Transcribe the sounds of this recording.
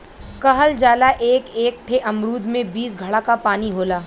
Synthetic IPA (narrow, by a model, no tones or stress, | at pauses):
kɐɦəld͡ʒaːlaʔeːkeːk̚ʈʰeʔɐmɾuːd̪ʱmẽbiːsɡʱɐɽakapaːniɦoːlaː